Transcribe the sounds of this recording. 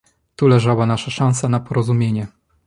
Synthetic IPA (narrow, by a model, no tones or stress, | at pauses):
t̪ulɛʐawanaʂaʂãñsanapɔɾɔzumʲjeɲɛ